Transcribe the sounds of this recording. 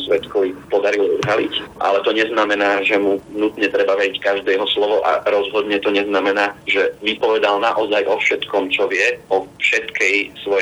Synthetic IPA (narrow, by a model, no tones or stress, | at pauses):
sʋɛt̪kɔʋipɔd̪aɾilɔɔd̪ɦalḭcʔa̰lɛt̪ɔɲɛznamɛnaːʒɛmunut̪ɲɛt̪ɾɛbaʋɛɾickaʒd̪ɛːɦɔslɔʋɔʔa̰ɾɔzɦɔd̪ɲɛt̪ɔɲɛznamɛnaːʒɛʋipɔʋɛd̪alnaʔɔzajʔɔfʃɛt̪kɔmt͡ʃɔʋɪɛɔfʃɛt̪kɛjsʋɔ